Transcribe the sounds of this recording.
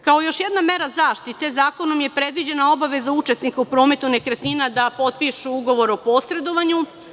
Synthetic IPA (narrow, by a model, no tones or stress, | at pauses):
kao̞jo̞ʃje̞d̪name̞ɾazaːʃt̪it̪e̞zaːko̞no̞mje̞pɾe̞d̪ʋid͡ʑe̞nao̞baʋe̞zaut͡ʃe̞snikaupɾo̞ːme̞t̪unekɾet̪inad̪apo̞t̪̚piʃuuɡo̞ʋo̞ɾo̞po̞sɾe̞d̪o̞ʋaɲu